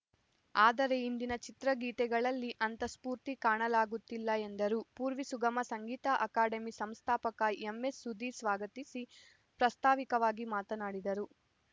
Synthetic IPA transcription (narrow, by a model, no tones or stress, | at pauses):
aːd̪ɐɾeind̪inɐt͡ʃit̪ɾɐɡiːt̪ɛɡɐɭɐlːiʔɐnt̪ɐspuːɾt̪ikaːɳɐlaːɡut̪ːilːɐe̞nd̪ɐɾupuːɾʋisuɡɐmɐsɐŋɡiːt̪ɐʔɐkaːɖɐmisɐmst̪ʰaːpɐkɐemːe̞sːud̪isʋaːɡɐt̪isi | pɾɐst̪ʰaːʋikɐʋaːɡimaːt̪ɐnaːɽid̪ɐɾu